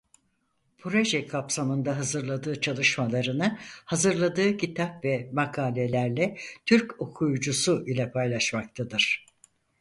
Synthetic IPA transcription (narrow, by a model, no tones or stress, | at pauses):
pʰɾo̞ʒɛkʰapsamɯnd̪aɦazɯɾlˠad̪ɯːt͡ʃʰalˠɯʃmalˠaɾɯnɯhazɯɾlˠad̪ɯːcʰit̪ʰapvɛmakʰaːlʲe̞lʲæɾlʲɛt̪ʰyɾco̞kʰujud͡ʒusuʔilʲɛpʰajlˠaʃmak̚t̪ʰad̪ɯɾ̥